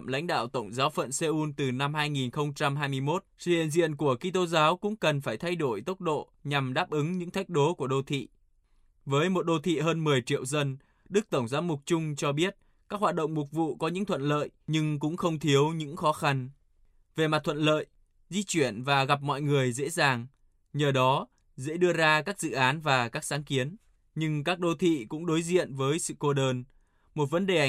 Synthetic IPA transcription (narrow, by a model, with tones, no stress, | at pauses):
mla̰˧˥ŋ̟ɗa̰ː˧˨wt̪ə˧˩wŋ͡mzaː˨˦wfə̰˧˨nse˧ʔu˧nt̪ɨ˨˩na˧mhaː˧jŋi˨˩nxə˧wŋ͡mt͡ɕa˧mɦaː˧jmɨ˧əjmo˦˥t̚sɨ̰˧˨ḭ˨nzḭ˧˨ənku˧˩əki˧t̪o˧zaː˨˦wkʊ̰˧˥ŋ͡mkə˨˩nfaː˧˩jt̪ʰa˧jɗo˧˩jt̪ə˦˥wt̚ɗo̰˧˨ | ɲa˨˩mɗaː˦˥p̚ʔɨ˨˦ŋɲɨ̰˧˥ŋt̪ʰa˦˥jk̟̚ɗo˨˦ku˧˩əɗo˧t̪ʰḭ˧˨ | vəː˨˦jmo˨˩t̚ɗo˧t̪ʰḭ˧˨ɦəː˧nmɨ˨˩əjt͡ɕḭ˧˨əwzə˧n | ɗɨ˦˥k̚t̪ə˧˩wŋ͡mzaː˨˦wmʊ˨˩k͡p̚t͡ɕʊ˧ŋ͡mt͡ɕɔ˧ɓi˦˥ət̚ | kaː˦˥k̚ɦwaː˨˩t̚ɗə̰˧˨wŋ͡mmʊ˨˩k̚vṵ˧˨kɔ˨˦ɲɨ̰˧˥ŋt̪ʰwə̰˧˨nlə̰ː˧˨jɲɨ˧ŋkʊ̰˧˥ŋ͡mxə˧wŋ͡mt̪ʰi˨˦əwɲɨ̰˧˥ŋxɔ˨˦xa˧n | ve˨˩ma˨˩t̪̚ʰwə̰˧˨nlə̰ː˧˨j | zi˧t͡ɕwi˧˩ənvaː˨˩ɣa˨˩p̚mɔ̰˧˨jŋɨ˨˩əjzḛ˧˥zaː˨˩ŋ | ɲəː˨˩ɗɔ˨˦ | zḛ˧˥ɗɨ˧əzaː˧kaː˦˥k̚zɨ̰˧˨ʔaː˨˦nvaː˨˩kaː˦˥k̚saː˨˦ŋki˨˦ən | ɲɨ˧ŋkaː˦˥k̚ɗo˧t̪ʰḭ˧˨kʊ̰˧˥ŋ͡mɗo˨˦jzḭ˧˨ənvəː˨˦jsɨ̰˧˨ko˧ɗəː˧n | mo˨˩t̬̚və˨˦nɗe˨˩˨